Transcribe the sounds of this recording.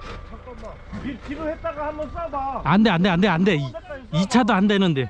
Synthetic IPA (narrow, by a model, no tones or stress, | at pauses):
iɾhet͈aɡohamʌnandeandeandeande̞iit͡ɕʰadoandenɯnde̞